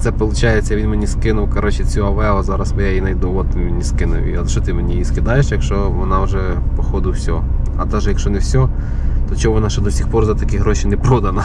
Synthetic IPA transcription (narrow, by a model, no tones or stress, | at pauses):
t̪sɛpɔlˠʊt͡ʃɑjet͡sʲːɐʋʲinmenʲiskɪnʊwkɐɾɔt͡ʃɛt͡sʲuɐʋɛʊzɑɾɐsmɪjajinɐjd̪uɔt̪ʋʲinʲiskɪnʊ̰wḭɐʃt͡ʃɔt̪ɪmenʲijiskɪd̪ɑjeʃjɐkʃt͡ʃɔʋɔnɑwʒɛ | pɔxɔd̪ɪwsʲɔ | ɐt̪ɛʒjɐkʃɔnɛwsʲɔ | t̪ɔt͡ʃɔʋɔnɑʃɛd̪ɔsʲixpɔrzɐt̪ɐkʲiɦɾɔʃinɛpɾɔd̪ɐnɐ